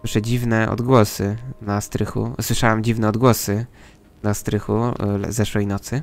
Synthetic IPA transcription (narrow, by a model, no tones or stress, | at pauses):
wɘʂɛd͡ʑivnɛʔɔ̰d̪ɡwɔsɘnast̪ɾɘxṵswɘʂawamd͡ʑivnɛɔd̪ɡwɔsɘ | nast̪ɾɘxuzɛʂwɛjnɔt̪sɘ